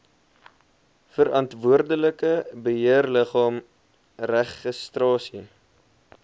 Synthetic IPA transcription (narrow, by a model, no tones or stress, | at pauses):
fəɾʔɐntvuərdələkəbəɦiərləχɑːm | ræχəstrɑːsi